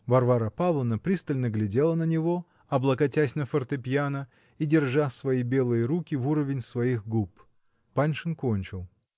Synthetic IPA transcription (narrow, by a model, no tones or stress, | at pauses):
vɐrvaɾəpavlˠənəpɾʲist̪əlʲnəɡlʲɪdʲelˠənənʲɪvo̞ | ɐblˠəkɐtʲæsʲnəfərt̪ɨpʲjanə | idʲɪrʐasvɐibʲe̞lˠɨjəɾukʲɪvuɾəvʲɪnʲsvɐixɡup | panʲʂɨnkonʲt͡ɕɪlˠ